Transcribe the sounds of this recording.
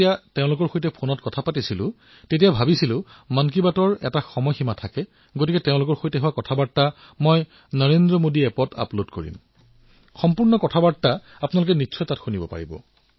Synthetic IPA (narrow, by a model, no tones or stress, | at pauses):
ijateʊ̃lʊkɔɹxojtɛpʰonɔtkɔtʰapatisilʊ̰̃ | tetijabʱabisilʊ̃ | mankibatɔɹɛ̰taxɔmɔjximatʰakɛ | ɡotikɛteʊ̃lʊkɔɹxojtɛɦʊwakɔtʰabatːa | mɔj | nɔɹendɹɔmodiɛpɔtʰa̰plodkoɹḭm | xɔmpuɹnɔkɔtʰabata | apnalʊk̬ɛnitːsʰɔjtatxunibɔpa̰ɹibɔ̰